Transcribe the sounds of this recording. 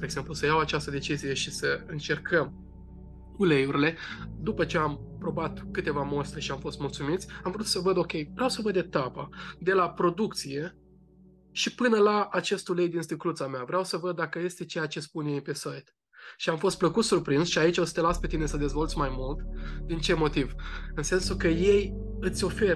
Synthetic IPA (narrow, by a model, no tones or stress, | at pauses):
d̪eɡz̥e̞mplusəjawat͡ʃast̪əd̪e̞t͡ʃizije̞ʃisəɨnt͡ʃe̞rkʰəm | ule̞juɾile̞d̪upət͡ʃe̞ampɾo̞bat̪kɨt̪e̞vamo̞st̪ɾeʃiamfo̞st̪mult̪sumit̪sʲamvɾut̪səvəd̪o̞kʲe̞jvɾeawsəvəd̪et̪apad̪e̞lapɾo̞d̪uk̚t̪sije̞ | ʃipɨnəlaːt͡ʃe̞st̪ule̞jd̪inst̪ɨklut̪sameavɾeawsəvəd̪ːakəje̞st̪e̞t͡ʃejat͡ʃe̞spunje̞jpe̞sajt̪ | ʃiamfo̞st̪̚pləkut̪surpɾinsʃiait͡ʃosə̥t̪e̞laspe̞t̪ine̞səd̪e̞zvo̞lt̪sʲmajmult̪d̪int͡ʃe̞mo̞t̪ivɨnse̞nsukəje̞j | ɨt̪sʲo̞fe̞